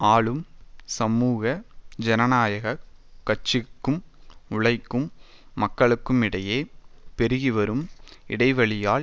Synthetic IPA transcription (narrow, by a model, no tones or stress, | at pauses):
aːɭɯmsɐmuːɣɐd͡ʒɛnɐnaːjɐɣɐkːɐʈt͡ʃɪkːɯmʊɭɐɪkːɯmː | ɐkːɐɭɯkːɯmɪɽɐjeːpɛɾɯɣiʋɐɾɯmɪɽɐɪʋɐɭɪjaːɭ